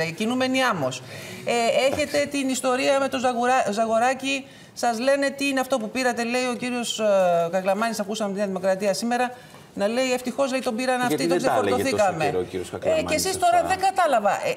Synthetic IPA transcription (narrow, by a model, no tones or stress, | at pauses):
ɐcinume̞niɐmo̞see̞çe̞t̪e̞t̪inist̪o̞ɾiɐme̞t̪ozɐɣɾzɐɣo̞ɾɐci | sɐzle̞ne̞t̪iineɐft̪o̞pupiɾɐt̪e̞le̞io̞ciɾio̞skɐklɐmɐnisɐkusɐmt̪inɐðimo̞kɾɐt̪iɐsime̞ɾɐ | nɐle̞ie̞ft̪ixo̞zleit̪o̞biɾɐnɐftit̪oksefoɾoθikɐme̞iɾosɐkecesist̪o̞ɾɐðeŋɡɐt̪ɐlɐvɐʔ